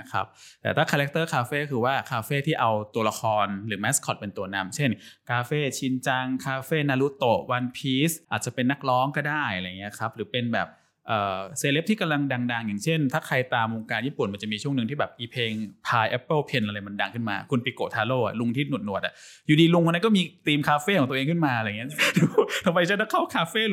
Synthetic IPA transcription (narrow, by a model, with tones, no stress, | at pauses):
kʰa̰˦˥p̚tt̪ɛː˨˩t̪ʰaː˥˩kʰaː˧lɛ˦k̚t̪ɤː˥˩kʰaː˧feː˥˩kʰɯː˧waː˥˩kʰaː˧feː˥˩t̪ʰiː˥˩ʔa˧wt̪u˧la˧kʰɔː˧nɾɯː˩˦mɛ˦˥skʰɔ˨˩t̪̚pe˧nt̪u˧ɐna˧mt͡ɕʰe˥˩nkʰaː˧feː˥˩t͡ɕʰi˧nt͡ɕa˧ŋkʰaː˧feː˥˩naː˧lu˦˥t̪o˨˩wa˧npʰiː˦˥sʔaː˨˩t̪̚t͡ɕa˨˩pe˧nːa˦˥˩k̚lɔː˦˥ŋkɔː˥˩daː˥˩ja˧a˧jŋːi˦˥ɐ˧kʰa˦˥p̚ɾɯː˩˦pe˧nbɛ̰ː˨˩p̚ | ʔəː˨˩seː˧le˦˥p̚t̪ʰiː˥˩ka˧mla˧ŋda˧ŋda˧ŋja˨˩ŋt͡ɕʰe˥˩nt̪ʰaː˥˩kʰa˧jt̪aː˧mwo˧ŋkaː˧njiː˥˩pu˨˩nma˧nt͡ɕa˨˩ʔmiː˧t͡ɕʰu˥˩əŋnɯ˨˩ŋt̪ʰiː˥bɛː˨˩p̚ʔiː˧pʰeː˧ŋpʰaː˧jʔɛ˦˥pːə˥˩pʰe˧nʔa˧ɾa˧jma˧nda˧ŋkʰɯ˥˩nma̰ː˧kʰu˧npiː˧˥ko̰ː˨˩t̪ʰaː˧loː˥˩ʔa̰˨˩lu˧ŋt̪ʰiː˥˩nu˨˩t̪̚nu˨˩ət̪ʔa̰˨˩juː˨˩diː˧lu˧ŋkɔ˧na˦˥kɔ˥˩miː˧t̪iː˧mkʰaː˧feː˥˩kɔ˨˩˦t̪u˧ʔːŋkʰɯ˥˩maː˧ɾa˧˨ŋi˦˥u˧˦t̪ʰa˧ma˧jt͡ɕa˧˥da˥˩kʰa˥˩wkʰaː˧feː˥˩˨